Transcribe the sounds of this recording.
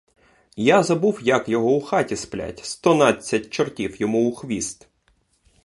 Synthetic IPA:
jazɐbuwjɐkjɔɦɔuxɑtʲisplʲa̰tʲst̪ɔnɑt͡sʲːɐtʲt͡ʃɔrtʲiwjɔmuʊxʋʲist̪

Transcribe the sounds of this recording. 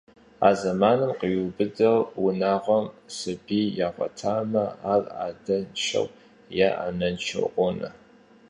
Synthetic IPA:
a̰ːzɐmaːnɨmqəɥubɨdɐwwʊnaːʁʷɔmsɨbiːjaːχʷɔ̰tʰaːmɐaːra̰ːdɐnʃʰɐ̰w | jaʔa̰nɐnt͡ʃʰɐ̰wʔʷɔnɐ

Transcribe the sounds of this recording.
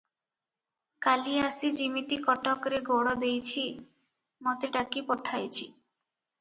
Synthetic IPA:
kaliasid͡ʑimit̪ikɔʈʰɔkɾeɡoɽɔd̪ejt͡ɕʰi | mɔt̪eʈakipɔʈʰajt͡ɕʰi

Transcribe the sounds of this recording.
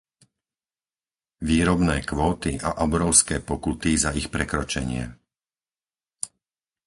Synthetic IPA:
ʋiːɾɔbnɛːkʋɔːt̪iʔaʔɔbɾɔʊskɛːpɔkut̪izaixpɾɛkɾɔt͡ʃɛɲɪɛ̰

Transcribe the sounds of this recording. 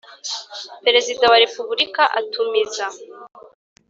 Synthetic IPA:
pe̞ɾe̞zidawaɾepubuɾikaʔatʰumeza

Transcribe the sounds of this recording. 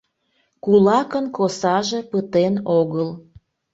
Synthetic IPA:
kulɑkənkosɑʒepət̪enoɣəl

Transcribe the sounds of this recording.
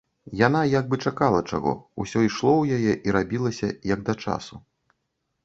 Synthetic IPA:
janajaɡ̚bɨt͡ʂakalˠɐt͡ʂa̰ɣɔ̰usʲɔiʂlˠɔwjajɛʔiɾabʲilˠɐsʲɐjɐɡ̚d̪ɐt͡ʂa̰su

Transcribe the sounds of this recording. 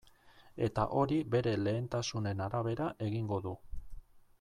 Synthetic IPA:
e̞t̪a̰ʔo̞ɾibe̞ɾe̞le̞ːnt̪asune̞naɾaβ̞e̞ɾaʔe̞ɣiŋɡo̞ðu

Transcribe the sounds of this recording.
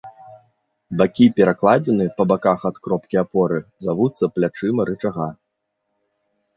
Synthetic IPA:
bakʲipʲɛɾaklˠad͡zʲɛnɨpɐbakaxat̪kɾɔpkʲiapɔɾɨzavut̪sːɐplʲat͡ʂɨmɐɾɨt͡ʂaɣa

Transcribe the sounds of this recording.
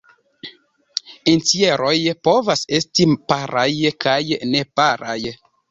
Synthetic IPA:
ent͡sieɾo̞jpo̞vase̞stipaɾajkʰajne̞paɾaj

